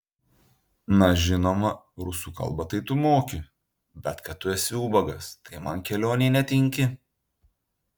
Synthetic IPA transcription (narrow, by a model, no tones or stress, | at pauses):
nɐʒʲɪnoːmɐ | ɾʊsuːkɐ̰lˠbɐt̪ɐɪt̪ʊmoːkʲɪ | bʲɛt̪kɐt̪ːʊɛsʲɪuːbɐɡɐst̪ɐɪmɐnkʲɛlʲoːnʲɛːnʲɛt̪ʲɪŋʲkʲɪ